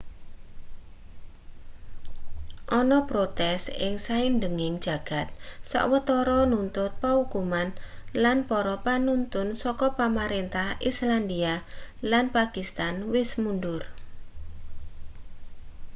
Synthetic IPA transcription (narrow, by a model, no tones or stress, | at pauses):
ʔɔnɔpɾot̪ɛsɪ̰ŋsaindəŋɪŋd̥d͡ʒ̥ä̤ɡ̥a̤t̪̚sa̰ʔwət̪ɔɾɔnunt̪ʊt̪̚paukumanlanpɔɾɔpanunt̪ʊnsɔkɔpamaɾent̪ahisland̪ialanpakist̪anwɪsmunɖʊr